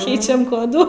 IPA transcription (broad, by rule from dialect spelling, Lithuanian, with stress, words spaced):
ˈkʲɛɪt͡ʃʲɛm ˈkoːduː